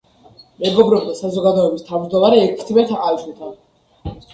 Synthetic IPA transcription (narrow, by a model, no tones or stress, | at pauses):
mɛɡɔbɾɔb̚d̪asazɔɡad̪ɔɛbist̪ʰavmd͡ʒd̪ɔmaɾɛːkʰst̪ʰimɛt̪ʰaqʼaiʃunˠt̪ʰan